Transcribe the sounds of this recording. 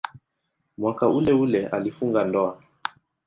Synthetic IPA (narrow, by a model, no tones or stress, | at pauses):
mwakaulɛulɛʔalifuŋɡandɔa